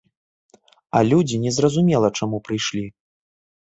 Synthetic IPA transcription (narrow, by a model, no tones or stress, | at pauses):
ɐlʲud͡zʲinʲɛzrɐzumʲɛlˠɐt͡ʂamupɾɨjʂlʲi